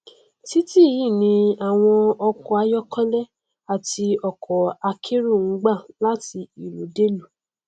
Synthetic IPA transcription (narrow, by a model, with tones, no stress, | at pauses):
ti˦ti˦ji˦˨nĩ˧a˨w̃ɔ̃˧ɔ˧kɔ˨a˧jɔ˦kʰɔ̃˦lɛ˦ | a˨ti˧ɔ˨kʰɔ˨a˧kʰe˦ɾu˦˨ŋ̩˨˦ɡ͡ba˦˨la˦ti˧i˨lo˨de˦lu˨